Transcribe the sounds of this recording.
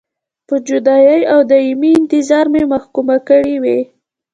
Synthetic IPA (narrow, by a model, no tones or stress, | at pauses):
pəd͡ʒʊd̪ɑjəjawd̪ɑimiɪnt̪ɪzɑɾmemaxkumakəɽiwe